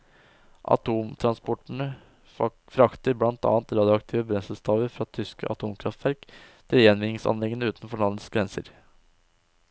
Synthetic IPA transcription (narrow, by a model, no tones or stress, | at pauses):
ʔɑ̰t̪ʰuːmt̪ʰɾɑnspɔʈɳ̩ə | fɾɑkt̪əɾblɑnt̪ɑ̰ːɑnt̪ɾɑːd̪ɪʊɑkt̪ʰiːʋəbɾɛnsəst̪ʰɑːʋəɾfɾɑt̪ʰʏskə̰ʔɑt̪ʰuːmkʰɾɑft̪ʋæɾkt̪ʰɪljɛnʋɪnɪŋsɑ̰nlɛɡənəʉːt̪n̩fɔɳɑnəsɡɾɛnsə̰ɾ